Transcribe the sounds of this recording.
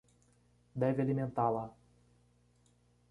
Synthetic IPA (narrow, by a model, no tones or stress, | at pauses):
d̪ɛvɪalimẽnt̪ala